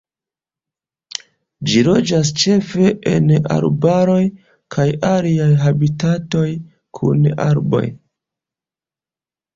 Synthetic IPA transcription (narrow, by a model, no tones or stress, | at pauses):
d͡ʒiɾo̞d͡ʒas̬t͡ʃe̞fe̞ʔena̰ɾbaɾo̞j | kʰajaliajɦabitato̞j | kʰṵna̰ɾbo̞̰j